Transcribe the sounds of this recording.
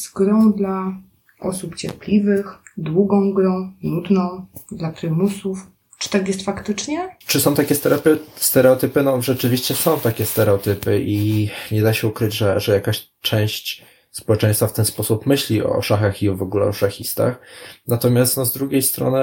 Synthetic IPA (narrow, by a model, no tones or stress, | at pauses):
z̥ɡɾɔ̃w̃d̪la | ʔɔsupt͡ɕɛɾplʲivɘxd̪wuɡɔ̃w̃ɡɾɔ̃w̃lud̪nɔ̃w̃d̪lapɾɘmusuf | t͡ʂɨ̥t̪akjɛst̪fakt̪ɘt͡ʂɲɛt͡ʂɘsɔ̃w̃t̪akʲɛst̪ɛɾapʲɛst̪ɛɾɛɔt̪ɘpɘnɔʐɛt͡ʂɘvʲiɕt͡ɕɛsɔ̃w̃t̪akʲɛst̪ɛɾɛɔt̪ɘpɘʔiɲɛd̪aɕɛukɾɘd͡ʑʐɛʐɛjakaɕ | t͡ʂɛ̃w̃ɕt͡ɕ | spɔwɛt͡ʂɛ̃j̃st̪faft̪ɛnspɔsupmɘɕlʲiɔ̰ʂaxaxiɔvɔɡulɛ̰ɔʂaxʲist̪a̰xnat̪ɔmʲjast̪nɔzd̪ɾuɡʲejst̪ɾɔ̰nɘ